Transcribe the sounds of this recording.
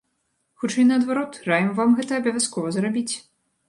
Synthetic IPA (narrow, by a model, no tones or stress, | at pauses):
xut͡ʂɛjnɐːd̪vaɾɔt̪rajʲɛmvamɣɛt̪ɐɐbʲɐvʲaskɔvɐzɾabʲit͡sʲ